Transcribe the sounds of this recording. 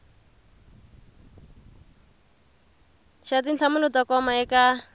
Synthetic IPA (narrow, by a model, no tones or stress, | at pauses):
ʃatinɬʰamunɔtakɔmaɛka